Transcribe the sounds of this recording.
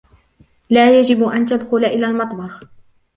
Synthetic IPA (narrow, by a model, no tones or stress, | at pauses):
laːjad͡ʒɪbʔant̪ad̪xʊlaʔɪlaːlmɑt̪ˤmɑx